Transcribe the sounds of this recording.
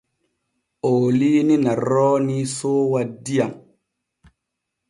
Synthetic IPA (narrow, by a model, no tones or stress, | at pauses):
oːlininaɾɔːnisoːwadijaŋ